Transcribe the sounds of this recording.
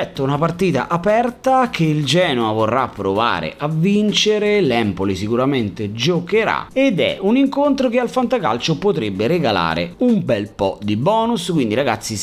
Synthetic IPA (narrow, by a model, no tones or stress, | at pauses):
ɛt̪ːounapart̪iːt̪a̰ʔapɛrt̪akʰeild͡ʒɛːnoavorːapːɾova̰ːɾḛʔavːint͡ʃeɾelɛmpolisikuɾament̪ed͡ʒokeɾa̰ed̪ɛ̰uniŋkont̪ɾokealfant̪akalt͡ʃopot̪ɾebːeɾeɡala̰ːɾḛumbɛlpɔ̰d̪ibɔːnusskwind̪iɾaɡat̪sːi